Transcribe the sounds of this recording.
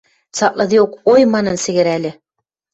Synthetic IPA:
sɑʔlˠɤ̆ðɤjuqojmɑnɤnsɘ̆ɡɘ̆ɾælɘ

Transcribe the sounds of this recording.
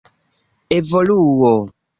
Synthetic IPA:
evoluuwo

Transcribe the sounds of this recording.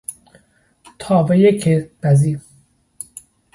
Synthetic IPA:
t̪ʰɒːbejekʰeb̥æzi

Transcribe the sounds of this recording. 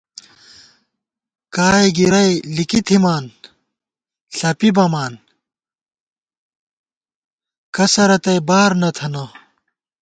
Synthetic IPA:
kaːjɡiɾɐjlikit̪ʰimaːn | ɬɐpibɐmaːn | kɐsɐɾɐt̪ɐjbaːɾnɐt̪ʰɐnɐ

